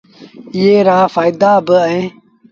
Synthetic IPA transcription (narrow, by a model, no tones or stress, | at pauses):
jeːɾaːfaːid̪aːbəɐẽː